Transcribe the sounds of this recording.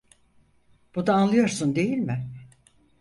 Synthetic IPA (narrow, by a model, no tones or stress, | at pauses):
b̥ud̪aːnlˠɯjo̞ɾsund̪e̞jilʲmɪ